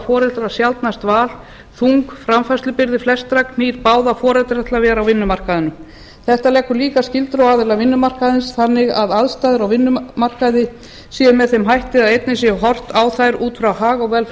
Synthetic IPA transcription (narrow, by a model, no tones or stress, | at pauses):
fɔːɾɛlt̪ʏɾasjalt̪nast̪vaːl | θuŋkfɾamfast̪lʏpɪɾðɪflɛst̪ɾakm̥iːɾpaːwðafɔːɾɛlt̪ɾɛht̪lavɛːɾawvɪnːʏmar̥kaðɪnʏ | θɛht̪alɛkːʏliːkascɪlt̪ɾowaːðɪlavɪnːʏmar̥kaðɪnsθanːɪɣaðaðst̪ajðɪɾawvɪnːʏmar̥kaðɪ | siːðmɛðθejmɦajht̪ɪaðejt̪nɪs̬jɛɣɦɔr̥t̪aːwθajɾuːt̪fɾawhaːɣɔɣvɛl